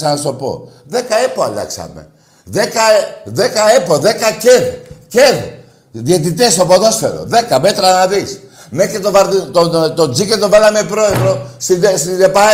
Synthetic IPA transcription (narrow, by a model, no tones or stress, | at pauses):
sɐnɐst̪o̞po̞̰ðe̞kɐepoɐlɐ̰ksɐ̰me̞̰ | ðekɐðekɐepoðe̞kɐceðceð | ðiet̪it̪esopoðo̞se̞̰ɾo̰ðe̞kɐme̞t̪ɾɐnɐðis | mexɾit̪ovɐɾðit̪ot̪od͡ziket̪ovɐlɐmepɾo̞eðɾo̞sid̪esid̪epɐ